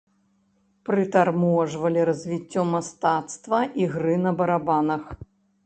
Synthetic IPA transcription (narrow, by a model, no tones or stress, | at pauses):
pɾɨt̪armuɐʐvɐlʲiɾɐzʲvʲit͡sʲːɔmast̪at̪st̪vɐʔiɣɾɨnɐbɐɾabanɐx